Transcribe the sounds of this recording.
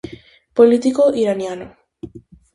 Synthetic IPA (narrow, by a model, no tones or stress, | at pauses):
polit̪ikoʔiɾanjano